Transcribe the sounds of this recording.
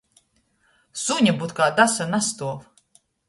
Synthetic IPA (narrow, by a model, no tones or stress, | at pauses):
suɲʲabut̪̚kaːd̪asanast̪uɔf